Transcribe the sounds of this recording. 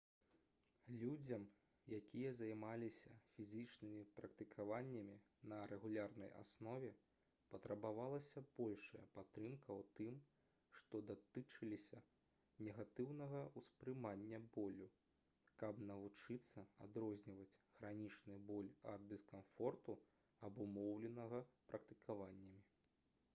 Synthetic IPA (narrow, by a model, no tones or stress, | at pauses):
lʲud͡zʲɐm | jakʲijɐzajmalʲisʲɐfʲizʲit͡ʂnɨmʲipɾɐkt̪ɨkʰavanʲːɐmʲi | nɐɾɛɣulʲarnɐ̰ja̰snɔvʲɛ | pɐt̪ɾɐbavalˠɐsʲɐb̥ɔlʲʂɐjɐ̰pat̪ɾɨmkʰɐwt̪ɨm | ʂt̪ɔd̪at̪ɨt͡ʂɨlʲisʲɐ | nʲɛɣat̪ɨwnɐɣɐuspɾɨmanʲːɐbɔlʲu | kɐbnɐvut͡ʂɨt̪sːɐa̰d̪ɾɔzʲnʲivɐt͡sʲɣɾanʲit͡ʂnɨbɔlʲɐd̪ːɨskamfɔrt̪u | ɐbumɔwlʲɛnɐɣɐpɾʔɐk̚t̪ɨkʰavanʲːɐmʲi